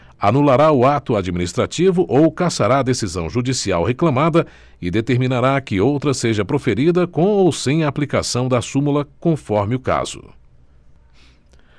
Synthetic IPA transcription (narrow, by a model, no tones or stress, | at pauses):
anulaɾaʊat̪ʊad͡ʒiminist̪ɾat͡ʃivʊʔowkasaɾaɐd̪esizɐ̃w̃ʒud͡ʒisiawheklãmad̪ɐ | ɪd̪et̪eɾmĩnaɾakɪowt̪ɾɐseʒɐpɾofeɾid̪ɐkõw̃owsẽj̃ɐaːplikasɐ̃w̃d̪ɐsumulɐkõfɔɾmɪʊka̰z̥ʊ̰